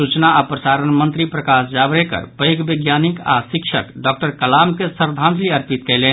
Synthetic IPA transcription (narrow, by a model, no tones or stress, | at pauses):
ut͡ʃnaːpɾəsaɾənmə̃nt̪ɾipɾəkasd͡ʒabɾekə̰ɾpəjɡbəɡjanika̰sikt͡ʃʰə̰kɖɔk̚ʈəɾkəlamkesəɾd̪ʱãnt̪liəɾpit̪kɛɪlɛn